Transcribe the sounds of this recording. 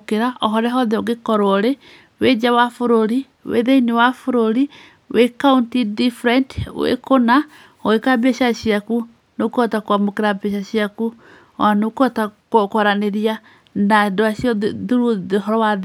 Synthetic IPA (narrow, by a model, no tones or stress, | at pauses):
keɾaʔɔɦɔɾɛɦɔðɛɔɡekɔɾɔɾe | wed͡ʒawafoɾoɾi | wḛðeinewafoɾoɾi | wekauntidifɾɛntwḛkona | oekabeʃaʃiaku | nokɔtakwamokeɾabeʃaʃiaku | ɔanokɔtakokɔɾaneɾia | naendoaʃiɔðuɾuɦɔɾɔwað